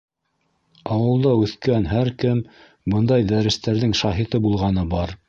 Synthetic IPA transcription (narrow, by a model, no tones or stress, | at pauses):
ɑwɤ̆lˠd̪ɑʉθkænɦæɾkɘm | bɤnd̪ɑjd̪æɾɘ̆st̪æɾðɘŋʃɑɦit̪ɤbulˠʁɑnɤbɑɾ